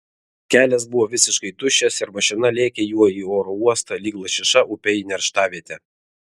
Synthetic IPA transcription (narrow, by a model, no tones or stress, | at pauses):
kʲæːlʲɛs̬bʊʋɔːʋʲɪsʲɪʃkɐɪd̪ʊʃʲɛsɪɾmɐʃʲɪnɐlʲeːkʲɛjuɔiːoːɾouɔst̪ɐlʲiːɡlˠɐʃʲɪʃɐʔʊpʲɛnʲɛɾʃt̪ɑːʋʲiɛt̪ʲɛ